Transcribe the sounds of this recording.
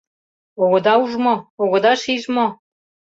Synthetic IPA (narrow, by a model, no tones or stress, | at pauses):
oɣŏd̪ɑuʒmooɣŏd̪ɑʃiʒmo